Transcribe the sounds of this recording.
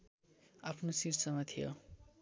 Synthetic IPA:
apʰnosirt͡sʌmat̪ʰijo̰

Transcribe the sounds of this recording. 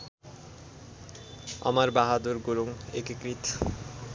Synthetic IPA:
ɔ̰maɾbaɦad̪uɾɡuɾuŋekikɾit̪

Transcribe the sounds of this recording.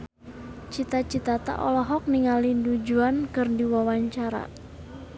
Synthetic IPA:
t͡ʃit̪at͡ʃit̪at̪a̰ʔɔlɔɦɔk̚niŋalindud͡ʒuankɨrdiwawaɲt͡ʃaɾa̰

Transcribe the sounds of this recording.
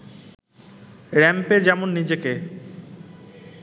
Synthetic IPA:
ɾɛmped͡ʑɛmonːid͡ʑeke

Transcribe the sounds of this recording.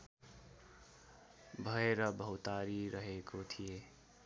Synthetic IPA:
bʱʌeɾʌbʱʌwt̪aɾiɾʌɦekot̪ʰije

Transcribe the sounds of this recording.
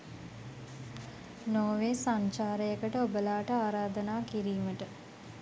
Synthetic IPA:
noːʋeːsaɲt͡ʃaːɾəjəkəʈəobəlaːʈəaːɾaːd̪ənaːkiɾiːməʈə

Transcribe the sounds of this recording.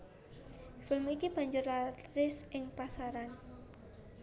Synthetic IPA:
fɪlmikib̥a̤ɲd͡ʒʊrlatɾɪsʔɪŋpasaɾan

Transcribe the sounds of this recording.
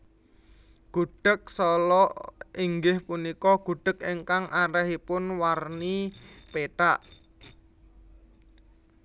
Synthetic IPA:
ɡ̥ṳɖ̥ə̤k̚sɔlɔʔiŋɡɪhpunikɔɡ̥ṳɖ̥ə̤keŋkaŋʔaɾɛhipʊnwarnipeʈaʔ

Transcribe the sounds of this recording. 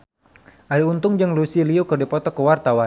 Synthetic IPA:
ʔaɾiunt̪ʊŋd͡ʒəŋlusiliukərdipɔt̪ɔkəwart̪awan

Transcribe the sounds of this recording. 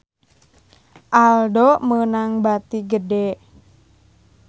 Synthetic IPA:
ʔaldɔmənaŋbat̪iɡədɛ

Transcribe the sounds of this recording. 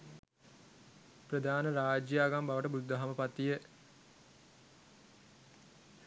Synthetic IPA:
prəd̪ʱaːnəɾaːd͡ʒjaːɡambaʋəʈəbud̪ːəɦaməpat̪ːijə

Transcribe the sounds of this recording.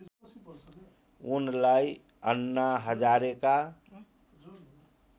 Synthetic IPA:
unlaj | ənːaɦəd͡ʒaɾeka

